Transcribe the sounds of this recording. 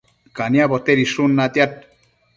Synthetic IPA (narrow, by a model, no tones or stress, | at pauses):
kaniabɔt̪eɾiʃunːat̪jat̚